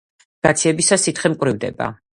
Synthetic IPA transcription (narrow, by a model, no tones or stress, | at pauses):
ɡ̥at̪sʰiɛbisasit̪χɛmkʼvɾivd̪ɛ̰ba̰